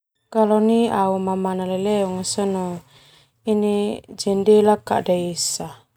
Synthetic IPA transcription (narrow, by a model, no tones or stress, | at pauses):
kalɔniaumamanalɛlɛɔŋasɔnɔ | inid͡ʒɛndɛlaka̰ʔdaisa